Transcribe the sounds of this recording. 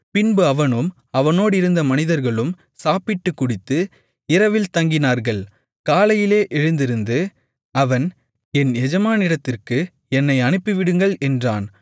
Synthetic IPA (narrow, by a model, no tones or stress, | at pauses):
pɪnbɯɐʋɐnɯm | ɐʋɐnoːɽɪɾɯnd̪ɐmɐnɪðɐɾɣɐɭɯm | saːpɪʈːɯkːʊɽɪt̪ːɯ | ɪɾɐʋɪlt̪ɐŋɡɪnaːɾɣɐɭ | kaːlɐjɪleːʔɛɻɯnd̪ɪɾɯnd̪ɯ | ɐʋɐn | ɛnɛd͡ʒɐmaːnɪɽɐt̪ːɪrkɯ | ɛnːɐɪɐnɯpːɪʋɪɽɯŋɡɐɭɛndraːn